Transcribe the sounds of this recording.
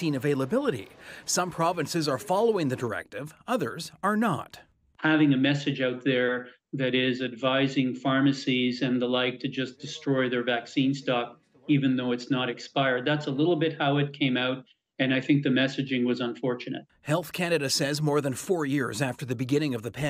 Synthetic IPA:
ĩnɨveɪlˠəbɪlˠəɾḭsʌ̃mpʰɹ̥ɑvɨ̃nsɨzə˞fɑlˠoʊɪ̃ŋðɨdə˞ɛ̰k̚tɪvʌðə̰˞zə˞nə̰t | hævɪ̃ŋɨmɛsɨd͡ʒaʊt̪̚ðə˞ | ðɨɾɪzɨdvaɪzɪ̃ŋfɑɹmɨsizɨ̃nðəlaɪk̚tʰɨd͡ʒʌsd̥ɨstɹ̥ɔɪðə˞væksĩnstɑk̚ | ivɨ̃nðoʊɨtsnəɾɨkspaɪə˞d̪̚ðætsəlɪɾl̩ˠbɪt̚haʊɨt̚kʰẽɪ̃maʊt̚ | ɨ̃ñaɪθɪ̃ŋk̚ðɨmɛsɨd͡ʒɪ̃ŋwʌzə̃ɱfɔɹt͡ʃɨnɨ̰t̚hɛlˠθkʰæñɨɾɨsɛzmɔɹðɨ̃nfɔɹjɪɹzæftə˞ðɨbɨɡɪ̃ñɪ̃ŋʌvðɨpʰɛ̃

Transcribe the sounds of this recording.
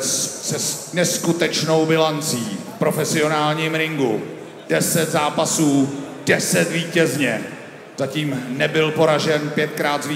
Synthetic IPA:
sɛnɛskut̪ɛt͡ʃno̞wbɪlant͡siː | pɾo̞fɛsɪo̞naːlɲiːmɾɪŋɡṵ | dɛsɛt̪zaːpasuːdɛsɛt̪viːcɛzɲɛ | z̥aciːmnɛbɪlpo̞ɾaʒɛnpjɛt̪̚kɾaːt̪zvi

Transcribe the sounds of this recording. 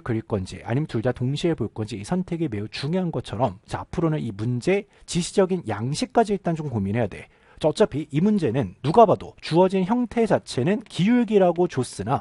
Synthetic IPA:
kɯɾiɭk͈ʌnd͡ʑḭa̰ɲimjentuɭdatoŋɕʰieboɭk͈ʌnd͡ʑiːsʰʌntʰe̞ɡeme̞ut͡ɕuŋjoɦanɡʌt͡ɕʰʌɾʌmt͡ɕa̰pʰɯɾonɯnimund͡ʑe̞t͡ɕiɕʰid͡ʑʌɡinjaŋɕʰik̚k͈ad͡ʑiiɭt͈and͡ʑomkominɦe̞jadwe̞ | t͡ɕʌt͡ɕ͈ʌpʰiimund͡ʑe̞nɯnːuɡabado̰t͡ɕuʌd͡ʑinçjʌŋtʰe̞d͡ʑat͡ɕʰe̞nɯnkijuɭɡiɾaɡot͡ɕos͈ɯna

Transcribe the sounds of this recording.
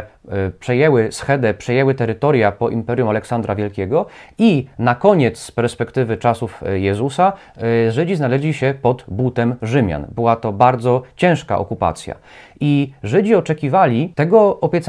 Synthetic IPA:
pʂɛjɛwɘsxɛd̪ɛpʂɛjɛwɘt̪ɛɾɘt̪ɔɾjapɔʔimpɛɾʲjumalɛksand̪ɾavʲjɛlkʲɛɡɔinakɔɲɛt̪spɛɾspɛkt̪ɘvɘt͡ʂasufjɛzusa | ʐɘd͡ʑiznalɛʑlʲiɕɛpɔd̪but̪ɛmʐɘmʲja̰nbɘwat̪ɔbaɾd̪zɔt͡ɕɛ̃w̃ʂka̰ʔɔ̰kupa̰t̪sʲja̰ | iʐɘd͡ʑiɔt͡ʂɛkʲivalʲit̪ɛɡɔɔpʲjɛt̪s

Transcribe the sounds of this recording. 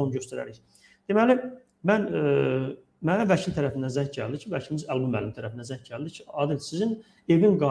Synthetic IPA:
onɟø̞st̪æɾæ̰ɾiç | d̪̥e̞mæli | mæn | mævæcʰilt̪ʰæɾæfind̪ænzæɲcɟæ̰ld̪icʰivæcʰilimizælbumːæ̰limt̪ʰæɾæfind̪ænzæɲcɟæld̪icʰiɑːd̪ilsizin | e̞vinɡɑ

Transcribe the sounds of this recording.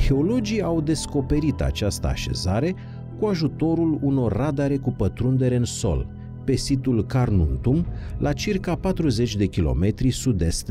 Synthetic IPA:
xe̞o̞lo̞d͡ʒiawd̪e̞sko̞pe̞ɾit̪a̰t͡ʃast̪ə̰a̰ʃe̞̰zaɾe̞ | kuaʒut̪o̞ɾuluno̞rːad̪aɾe̞kupət̪ɾund̪e̞ɾeɨnso̞̰l | pe̞sit̪ulkarnunt̪umlʔat͡ʃirkapat̪ɾuze̞t͡ʃʲd̪e̞kʲilo̞̰me̞t̪ɾisud̪e̞st̪

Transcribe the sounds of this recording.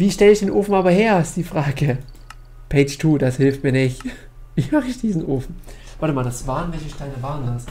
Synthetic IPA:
viːʃtɛləɪçd̥eːnʔoːfn̩ʔaːbɐheːɐɪstd̥iːfʁ̥aːɡə | pʰeɪd͡ʒtʰuːd̥ashɪlft̚miːɐnɪçt | viːmaχɪçd̥iːzn̩ʔoːfn̩v̥aɐtəmaːldasv̥aːʁənvɛlçəʃtaɪnəvaːɐənlas

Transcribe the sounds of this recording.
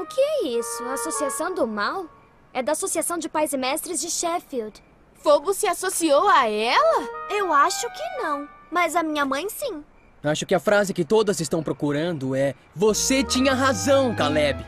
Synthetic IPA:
ʊkɪɛisʊɐːsosiasɐ̃w̃d̪ʊmaw | ɛd̪ɐːsosiasɐ̃w̃d͡ʒɪpajzɪmɛst̪ɾɪzd͡ʒɪʃɛfiwd̪ | fobʊsɪasosiowaɛlɐewaʃʊkɪnɐ̃w̃ | mɐzɐmĩɲɐmɐ̃j̃sĩ | aʃʊkɪɐfɾazɪkɪt̪od̪ɐzɪst̪ɐ̃w̃pɾokuɾɐ̃nd̪ʊɛ | voset͡ʃĩɲɐɦazɐ̃w̃kalɛbɪ

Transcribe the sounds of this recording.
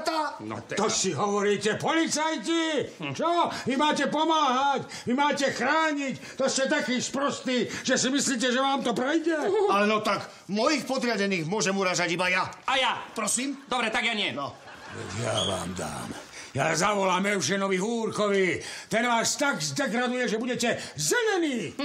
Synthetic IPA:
t̪anɔ̰t̪t̪ɔsiɦɔʋɔɾiːcɛpɔlit͡sajcit͡ʃɔmimaːcɛpɔmaːɦac | mimaːcɛxɾaːɲic | t̪ɔstɛt̪akiːspɾɔst̪niːʒɛsimisliːc̬ɛʒɛʋaːmt̪ɔpɾɛjɟɛalɛnɔt̪aɡ | mɔjixpɔd̪ɾɪaɟɛniːɣmʊɔʒɛmuɾaːzaɟibajaajapɾɔsiːmd̪ɔbɾɛt̪aɡjaɲɪɛnɔ | ʋɛ̰ja̰ʋa̰ːmd̪a̰ːmjazaʋɔlaːmɛʊʃɛnɔʋiɦuːɾkɔʋit̪ɛnʋaːst̪aɡzd̪ɛɡɾad̪ujɛʒɛbuɟɛcɛzɛʎɛniː

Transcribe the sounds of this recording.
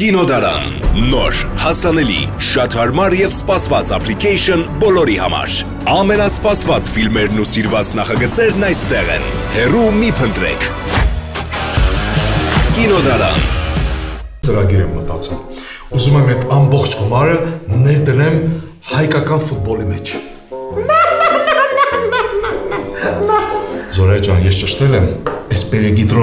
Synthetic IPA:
kinɔd̪ɑɾɑ̰nnɔɾhɑsɑnɛlḭʃɑt̪hɑɾmɑɾjɛvspɑsvɑt͡sɑ̰pʰlikʰɛjʃɔnbɔlɔɾihɑ̰mɑ̰ɾ | ɑmɛnɑspɑsvɑt͡sfilmɛɾnusiɾvɑt͡snɑχɑɡət͡sɛɾnɑjst̪ɛʁɛ̰n | hɛrumipʰənt̪ɾɛ̰kʰ | kinɔd̪ɑɾɑ̰n | t͡səɾɑɡiɾɛmːət̪ɑt͡sɛl | uzumɛmɛt̪ʰɑmbɔχt͡ʃʰɡumɑɾənɛɾd̪ənɛm | hɑjkɑkɑnfut̪̚bɔlimɛt͡ʃʰ | zɔɾɛt͡ʃɑnjɛst͡ʃəʃt̪ɛlɛmɛspɛɾɛɡid̪ɾɔ

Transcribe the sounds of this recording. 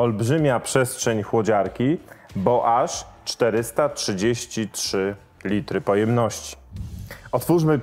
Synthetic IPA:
ɔlbʐɘmʲapʂɛst̪ʂɛɲxwɔd͡ʑaɾkʲibɔʔaʂt͡ʂt̪ɛɾɘst̪atʂɘd͡ʑeɕt͡ɕitʂɘ | lʲit̪ɾɘpɔjɛmnɔɕt͡ɕi̥ | ɔt̪fuʂmɘ

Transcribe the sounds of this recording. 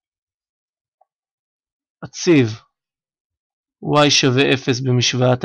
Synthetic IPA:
ʔat͡siv | wajʃaveʔefe̞s̬bemiʃvaat

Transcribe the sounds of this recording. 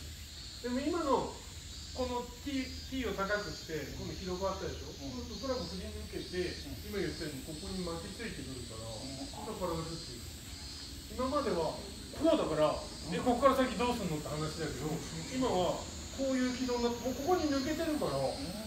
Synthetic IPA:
d̪̥e̞mo̞imano̞ | ko̞no̞t̪ʲi | t̪ʲiːo̞t̪akakɨɕi̥t̪e̞ko̞noçʲiɾo̞ɡat̪ːad̪e̞ɕo̞sɨːt̪okɯɾakɯsɨɾʲiɲiɯ̟ke̞t̪e̞imajot̪aɲiko̞ko̞ɲ̟imakiit͡sɨit̪ekɯ̟ɾɯ̟kaɾa | t̪okaɾad̪asɨt̪ːeɯ̰ | imamad̪e̞βa | kʰoːd̪akaɾa | d̪eko̞kokːaɾasakʲːid̪o̞ːsɨɨnːo̞t̪ːehanaɕid̪aked̪o̞imaβa | ko̞ːjɯ̟ːkʲid̪o̞ːnːat̪ːemoːko̞ko̞ɲ̟imɯ̟ke̞t̪e̞ɾɯ̟kaɾa

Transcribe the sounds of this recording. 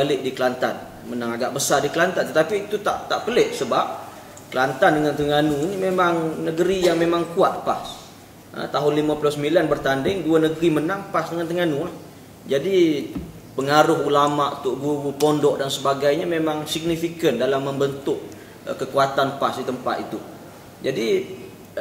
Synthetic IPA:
alɪʔ̚dikəlant̪a̰n | mənaŋaɡaʔbəsardikəlant̪ant̪ət̪apiːt̪ut̪a̰ʔt̪aʔpəlɪʔsəbap̚ | kəlant̪andəŋant̪əŋanuinimemaŋnəɡəɾijaŋmemaŋkuat̪̚pa̰s | ə̰t̪aɦʊnlimaplʊsəmilanbərt̪andɪŋduanəɡəɾimənaŋpasdəŋant̪əŋanulah | d͡ʒadi | pəŋaɾʊɦulamaʔṵt̪ʊʔɡuaɡupɔndɔʔdansəbaɡajɲamemaŋsiɡ̚nifikəndalamːəmbənt̪ʊʔ | kəkuat̪anpasdit̪əmpa̰t̪it̪u | d͡ʒadi

